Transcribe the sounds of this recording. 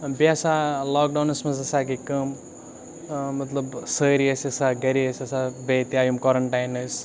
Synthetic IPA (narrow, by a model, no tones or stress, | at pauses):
beɐsalaːk̚ɖaːnɐsmɐzɐsaːkikəm | mɐt̪lɐbsəːɾiɐsɐsaɡɐɾiɐsɐsabet̪iaːjumkoːɾɐɳʈajnɐs